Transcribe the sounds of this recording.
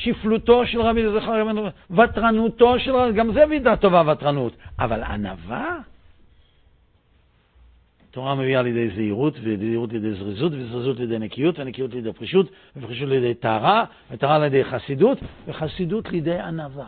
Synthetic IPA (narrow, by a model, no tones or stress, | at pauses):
ʃifluto̞ʃelʁabilezaχaʁɡavenvatʁanuto̞ʃelaɡamzevidat̪o̞vavatʁanutavala̰na̰va | toʁameviaːljed̪ejzeiʁutveleiʁutledejzʁizutvezʁizutled̪ejnekijutvenekijutlejd̪ejpʁiʃutveviχiʃ̬utljed̪ejtaːʁa | vetaːʁaljed̪ejχasidutveχasidutlid̪ejanava